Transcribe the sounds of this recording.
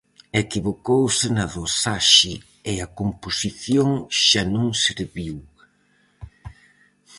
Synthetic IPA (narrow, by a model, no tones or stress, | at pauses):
ekiβokowsɪnɐðosaʃɪ | ɪɐkomposiθjoŋʃanõŋseɾβiw